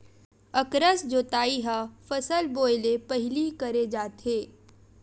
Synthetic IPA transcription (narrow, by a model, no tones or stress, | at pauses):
ɐkɾəsd͡ʒoːt̪aːiɦafɐsəlboːjlepɐɦɪlikɐɾed͡ʒaːt̪ɦeː